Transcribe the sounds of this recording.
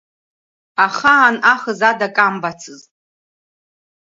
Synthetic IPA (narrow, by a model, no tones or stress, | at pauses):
aχaːnaχəzadakʼambat͡sʰɨzʼ